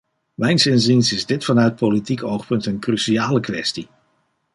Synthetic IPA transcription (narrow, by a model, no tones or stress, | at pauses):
mɛjnsɪnz̬insɪzdɪtfɑnœɥt̚politikowχpɵntənkrysiaːləkʋɛsti